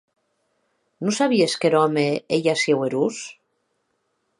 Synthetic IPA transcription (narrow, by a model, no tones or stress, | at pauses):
nosaβieskeɾɔmeejasjeweɾus